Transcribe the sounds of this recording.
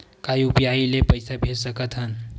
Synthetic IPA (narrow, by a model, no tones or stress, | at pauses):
kajupijailepəjsabʱed͡ʒsəkət̪ɦən